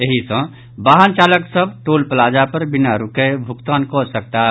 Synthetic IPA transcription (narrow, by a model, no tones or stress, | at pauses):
jeɦisə̃ | baːɦənt͡ʃaːləksəb̚ʈoːlpəlaːd͡ʒapəɾbɪnaɾukebʱʊkt̪aːnkɔsək̚t̪aɦ